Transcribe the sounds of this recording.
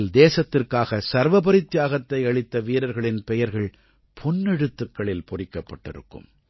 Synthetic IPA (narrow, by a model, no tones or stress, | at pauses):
ld̪eːsɐt̪ːɪrkaːɣɐsɐɾʋɐpɐɾɪt̪ːjaːɣɐt̪ːɐɪɐɭɪt̪ːɐʋiːɾɐɾɣɐɭɪnpɛjɐɾɣɐɭ | pʰɔnːɛɽɯt̪ːɯkːɐɭɪlpʊrɪkːɐpːɐʈːɪ̰ɾɯ̰kːɯ̰m